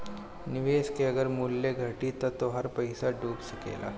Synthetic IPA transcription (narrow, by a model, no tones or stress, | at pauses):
niʋeːskeəɡəɾmulːeɡʱəʈiːt̪ət̪oɦaɾpəjsaɖuːbsikḛla̰